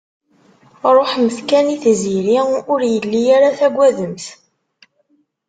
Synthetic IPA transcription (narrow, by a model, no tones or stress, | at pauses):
ɾˤoħməθkæniθziɾiʊɾjəlːijaɾaθæɡʷːæðəmθ